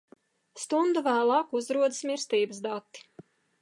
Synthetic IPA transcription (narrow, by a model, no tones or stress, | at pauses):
st̪und̪uvæːlˠɑːkuzɾuɔd̪ɨsmʲiɾst̪iːbəsd̪at̪ːi̥